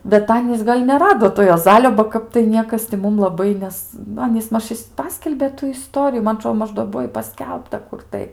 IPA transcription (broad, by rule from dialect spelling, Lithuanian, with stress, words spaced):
bʲɛt ˈɑːnʲiːs ɡɐlʲ nʲɛˈrɑːdoː toː juɔˈzɑːlʲoː bɐ ˈkɐp tɐɪ ˈnʲiɛkɐs tʲɪ ˈmʊm lˠɐˈbɐɪ ˈnʲɛs nʊ ˈɑːnʲiːs ˈmɐʃ ˈpɑːsʲkʲɛlʲbʲeː ˈtuː ɪˈstoːrʲɪjuː ˈmɐn ɐˈtroː ˈmɐʃ doː ˈbuɔ ɪ pɐˈsʲkʲɛlˠptɐ ˈkʊr tɐɪ